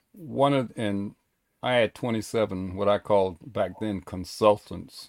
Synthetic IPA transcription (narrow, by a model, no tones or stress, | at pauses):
wʌ̃nʌɨ̃n | ʔaɪɨd̚tʰw̥ɛ̃ɾ̃isɛvə̃nwʌɾaɪkʰɔlˠd̚bæk̚ðɨ̃nkʰə̃n̩sʌlˠtʰə̃n̩ts